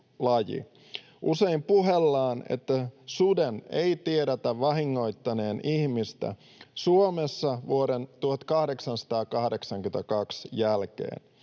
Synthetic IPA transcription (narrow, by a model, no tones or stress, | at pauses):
lɑjḭ | ʔuse̞impuɦelːɑːnḛt̪ːæsudeneit̪ieɾet̪æʋʋɑɦiŋːo̞jt̪ːɑne̞ːnʔihmist̪æ̰ | suomesːɑʋuoɾent̪uhɑt̪kɑhde̞ksɑnsɑ̥t̪ɑːkɑhde̞ksɑŋkyet̪ækɑksjælk̟ḛːn